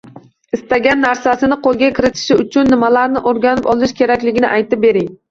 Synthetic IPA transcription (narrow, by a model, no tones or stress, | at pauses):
ɪst̪aɡʲanːaɾsasɪnɪqʰolˠɡʲakʲɪɾɪt̪ʰɪ̥ʃɪʊt͡ʃʰʊnːɪmalaɾnɪʔoɾɡʲanɪpɒlˠɪʃkʲʰe̞ɾakʲlɪɡʲɪnɪ̰ʔajt̪ʰɪp̚be̞ɾɪŋ